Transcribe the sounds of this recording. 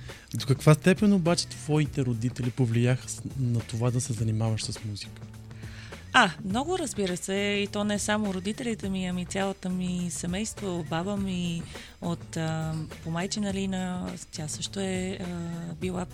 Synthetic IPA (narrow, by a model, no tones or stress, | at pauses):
d̪okɐkvast̪ɛpɛnobat͡ʃɛ̥t̪v̥ɔit̪ɛɾod̪it̪ɛlipovlijaxə̥nɐt̪ovad̪ɐsɛzɐnimavəʃsəsmuzikə̥ | amnɔɡʊɾəzbiɾəsɛit̪ɔnɛsamoɾod̪it̪ɛlit̪ɛmiɐmit̪ʲjalˠot̪omisɛmɛjst̪voot̪babəmi | ot̪əpomajt͡ʃinɐlinət̪ʲjasɤʃt̪oɛ | bilˠa